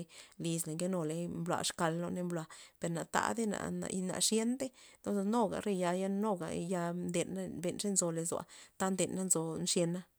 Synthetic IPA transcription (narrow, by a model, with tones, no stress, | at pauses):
li˧sle˨ŋɡe˦no˧le˧mblwa̰˨ʂka˨˧lno˧ne˧mblwa˧pe˧ɾna˨t̪a̰˧˦d̪e˦na̰˨na̰˨jna̰˧ʂje˦nd̪e˦no˦˧no˦ɡa̰˨ɾe˧ja˧ja˦no˦ɡa̰˨ja˧nd̪e˨nːa˦be˧nʂe˦nzo˧le˧zwa̰˧˨t̪a˦nd̪e˨nːa˦nzo˧nʂje˧nːa˦